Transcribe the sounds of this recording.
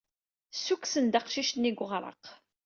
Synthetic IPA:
suksənd̪ɑqʃiʃt̪niɡʷʁɾˤə̰q

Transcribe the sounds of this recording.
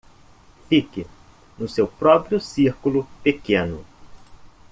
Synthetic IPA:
fikɪ | nʊsewpɾɔpɾijʊsiɾkulʊpekẽnʊ̰

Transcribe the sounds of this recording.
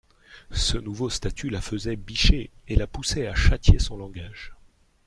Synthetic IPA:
sənuvost̪at̪ʰylafəzɛbiʃeelapusɛaʃat̪jesɔ̃lɑ̃ɡaʒ

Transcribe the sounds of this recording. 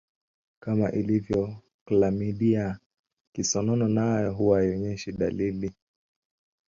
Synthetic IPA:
kamaʔilivjɔ | klamiɗia | kisɔnɔnɔnajɔɦuwaiɔɲɛʃiɗa̰lili

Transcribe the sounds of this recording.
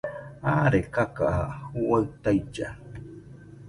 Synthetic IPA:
aːɾekakaʔahuwaɰt̪ajd͡ʒa̰

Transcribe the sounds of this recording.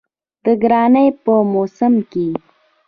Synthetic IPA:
d̪̥əɡɾɑnəjpəmosəmke

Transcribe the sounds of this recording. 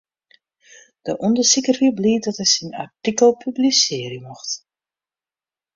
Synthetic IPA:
d̥əʔɔndəsikərhibliːt̚dɔtɦɛjsina̰rtikəlˠpʰyblisɪːrəmɔxt

